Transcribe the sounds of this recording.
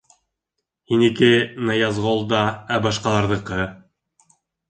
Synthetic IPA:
hinikɘnɑjɑzʁolˠd̪ɑæbɑʃqɑlˠɑɾðɤ̆qɤ

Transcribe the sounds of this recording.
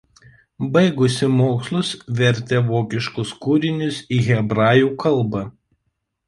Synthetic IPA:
bɐɪɡʊsʲɪmoːkslˠʊsʋʲɛɾʲt̪ʲeʋoːkʲɪʃkʊskʊɾʲɪnʲʊsiːɣʲɛbɾɑːjuːkɐlˠˑbɑ

